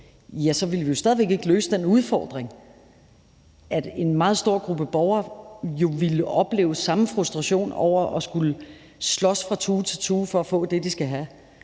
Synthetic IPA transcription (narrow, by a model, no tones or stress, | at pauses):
jæsɒ̽ʋiləʋijo̝sd̥ɛð̞ˠʋe̝ɡ̥e̝ɡ̥əløːsəd̥enuð̞ˠfɒːd̥ʁeŋ | ʔæd̥e̝nmɑ̈ːð̞̩ˠsd̥o̝ɐ̰ɡ̥ʁub̥əb̥ɒʊɐjo̝ʋiləʔɒ̽b̥lḛːʊsɑ̈məfʁusd̥ʁɑ̈ɕo̝̰ːnɒ̰ʊ̰ɐʔɒ̽sɡ̥ulə | slɒ̽sfʁɑ̈t͡sʰuːt͡sʰe̝lt͡sʰuːfɒ̽æfɔ̰̽ːd̥e̝d̥isɡ̥æɦæ